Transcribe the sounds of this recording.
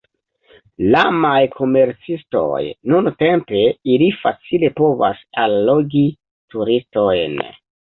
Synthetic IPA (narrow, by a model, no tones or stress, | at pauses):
lamajkʰo̞me̞ɾt͡sisto̞̰jnunte̞mpe̞ilifat͡sile̞po̞va̰salːoɡi | tuɾisto̞jn